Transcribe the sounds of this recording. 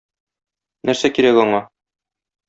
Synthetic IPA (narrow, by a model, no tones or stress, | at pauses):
næɾsækiɾækɒɴɑ